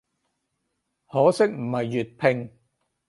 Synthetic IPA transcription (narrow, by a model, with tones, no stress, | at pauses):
hɔː˨˥sɪ˥k̚m̩˨˩hɐ˨jːy˨t̚pʰɪ˧ŋ